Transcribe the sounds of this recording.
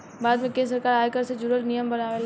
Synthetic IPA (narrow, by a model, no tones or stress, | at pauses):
baːd̪mẽkẽːns̬ɐɾkaːɾaːekəɾsed͡ʒuɾəlnijəmbɐnaːʋel